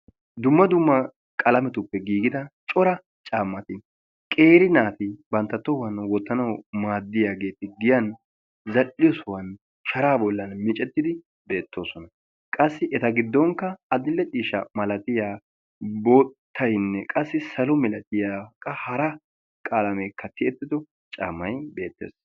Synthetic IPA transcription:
d̪ʊmːɐd̪ʊmːɐ | kʼɐlɐmɛt̪ʊpːɛɡiːɡɪd̪ɐt͡ʃʼɔɾɐ | t͡ʃʼaːmːɐt̪ɪ | kʼe̞ːɾɪnaːt̪ɪbɐnt̪ːɐt̪ːɔwɐnwɔt̪ːɐnɐwmaːd̪ːɪjaːɡe̞ːt̪ɪɡɪjɐn | zɐlːɪjɔsʊwɐn | ʃɐɾaːbɔlːɐnmɪt͡ʃʼɛt̪ːɪd̪ɪ | be̞ːt̪ːo̞ːsɔnɐ | kʼɐsːɪʔɛt̪ɐɡɪd̪ːɔŋkːɐːd̪ɪlːɛt͡ʃʼiːʃɐmɐlɐt̪ɪjaː | boːt̪ʰːɐjnːɛkʼɐsːɪsɐlɔmɛlɐt̪ɪjaːkʼːɐhɐɾɐ | kʼaːlɐmeːkːɐt̪ʰɪɛt̪ːɪd̪ɔ | t͡ʃʼa̰ːmːɐjbe̞ːt̪ːḛːs

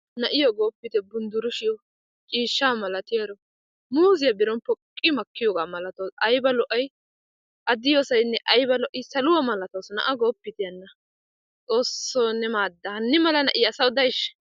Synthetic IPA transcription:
nɐʔɪjɔɡo̞ːpːɪt̪ɛbʊnd̪ʊɾʊʃɪjɔ | t͡ʃʼiːʃːamɐlɐt̪ɪjɐɾɔ | muːzɪjɐbɪɾɔnpɔkʼːɪmɐkʰːɪjɔɡamɐlɐt̪oɐjbɐlɔʔɐj | ʔɐd̪ɪjosɐjnːɛʔɐjbɐlɔʔɪsɐlʊwɐmɐlɐt̪ɐwsɔnɐ̰ʔɐɡo̞ːpːɪt̪ɪjɐnːɐ | t͡sʼo̞ːsːoːnːɛmaːd̪ːɐhɐnːɪmɐlɐnɐʔɪjːsɐwd̪ɐjʃ

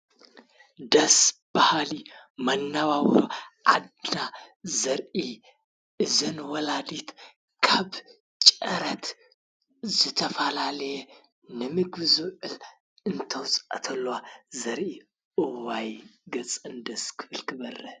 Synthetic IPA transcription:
d̪ɐsbahalimanːaβawɾʔad̪azɐɾʔi | ɨzɨnwɔlad̪it̪ | kʰaβ | t͡ʃʼəɾət̪ | zɨt̪ʰəfalaljɛ | nɨmɨɡbɨzoʔɨl | ɨnt̪ʰəwsʼa̰t̪ʰɐlːwazɐɾʔi | ʔɨwajɡɐt͡sʼɨnd̪əskʰɨ̥fɨlkʰɨbɐrːə

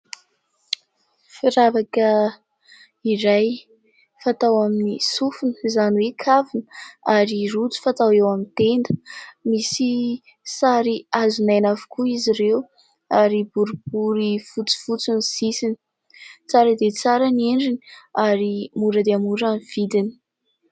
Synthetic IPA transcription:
fiɾavakə | iɾaj | fat̪awaminisufunə̥zanwekʰavinaɾirut͡su̥fat̪awewamint̪end̪əmisi | saɾiazunajnavu̥kʰuiziɾew | aɾibuɾub̥uɾifut͡si̥fut͡sunisisini̥ | t͡saɾəd̪et͡saɾəneɳɖ͡ʐiniaɾimuɾəd̪eamuɾanv̥id̪ini̥

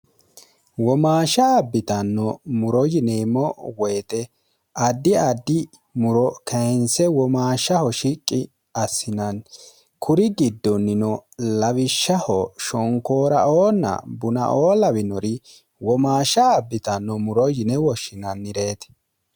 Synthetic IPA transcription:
wɔmaːʃɐːbːɪt̪ɐnːɔmʊɾɔjɪneːmːɔwɛːt̪ɛ | ʔɐd̪ːɪɐd̪ːɪ | mʊɾɔkʰɐnsɛwɔmaːʃɐhɔʃɪkʼːɪ | ɐsːɪnɐn | kʰʊɾɪɡɪd̪ːɔnːɪnɔlɐβɪʃːɐhɔʃɔŋkoːɾɐ̰ʔoːnːɐ̰bʊnɐ̰ʔoːlɐbɪnɔɾɪ | wɔmaːʃɐːbːɪt̪ɐnːɔmʊɾɔjɪnɛwɔʃɪnɐnːɪɾe̞ːt̪

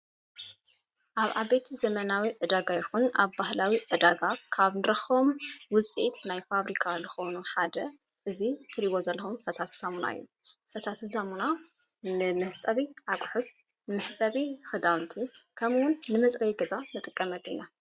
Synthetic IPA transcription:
ʔaβʔa̰e̞t̪ʰizɐmɐnawiʕɨd̪aɡajɪxunaβbahlawiʔɨd̪aɡakʰaβnɨɾɐxomwʊt͡sʼit̪najfaβɾikʰalɨxo̞nuħad̪ɐ | ʔɨzit̪ʰɨɾiβozɐlːxumfɐsasi̥samuna̰ɨ̰jːu | fɐsasɨsamuna | nɨmɨħsʼɐβiʕakʼʊħɨd̪̚ | mɨħsʼɐβixɨd̪awnt̪ʰikʰɐmwʊnːɨmɐt͡sʼɾɐjɡɐzanɨt̪ʼɨkʼːɐmɐlːina

